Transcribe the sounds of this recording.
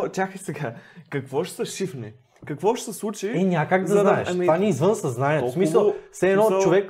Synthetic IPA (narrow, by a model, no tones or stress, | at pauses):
t̪ʲaxisɛɡakɐkvɔʃsɐʃifnɛ | kɐkvɔʃsɛslˠut͡ʃiɛnʲakaɡd̪ɐznaɛʃtvanʲiɛizvɤnsɐznanʲiɛt̪osmisɐlˠfsɛɛːnɔt͡ʃt͡ʃovɛkː